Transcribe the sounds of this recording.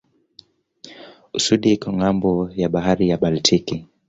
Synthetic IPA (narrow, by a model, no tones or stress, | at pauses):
usuɗiikɔŋambɔjaɓaɦaɾijaɓaltʰiki